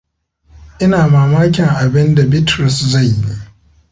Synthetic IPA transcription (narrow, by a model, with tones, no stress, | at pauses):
ʔɪ˦naː˨maː˨maː˦kʲɪ˨ŋʔa˨bɪ˦nda˨bɪ˦tɾʊ˨sza˦˨jːi˦